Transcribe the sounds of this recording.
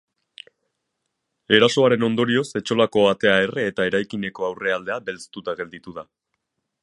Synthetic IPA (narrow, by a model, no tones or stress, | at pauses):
e̞ɾaso̞aɾe̞no̞nd̪o̞ɾio̞se̞t͡ʃo̞lako̞at̪e̞ae̞reːt̪ae̞ɾajkine̞ko̞awre̞ald̪e̞abe̞lt͡st̪ut̪aɣe̞ld̪it̪uða